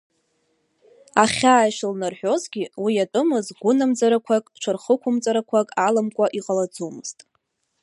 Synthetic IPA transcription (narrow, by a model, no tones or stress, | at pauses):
aχʲaːjʃlnarħᶣo̞zɡʲiwijatʼɨmɨzɡʷʊnamd͡zaɾakʷʰakʼt͡ʃʷʰɨrχəkʷʰʊmt͡sʼaɾakʷʰakʼalamkʷʼaʔiqʼalad͡zumɨz̥tʼ